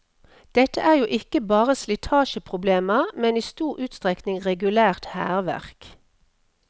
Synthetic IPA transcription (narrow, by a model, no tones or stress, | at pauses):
d̪̥ɛt̪əʔæːʁjuːʔɪkəbɑːʁəslɪt̪ʰɑːʃəpʰʁʊbleːməmɛniːst̪uːʁʉːt̪st̪ʁɛknɪŋʁɛɡʉlæːʁt̪hæ̰ːʁʋæ̰ʁk